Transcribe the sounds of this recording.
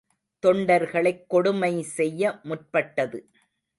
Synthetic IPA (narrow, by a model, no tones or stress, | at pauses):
t̪ɔɳɖɐɾɣɐɭɐɪkːɔɽʊmɐɪsɛjːɐmʊr̚pɐʈːɐðɯ